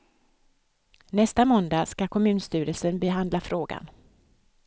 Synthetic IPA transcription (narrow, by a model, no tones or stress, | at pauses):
nɛst̪amɔnd̪askakʰɔmʉ̟ːnst̪y̟ːɾəlsənbɛɦand̪lafɾoːɡa̰n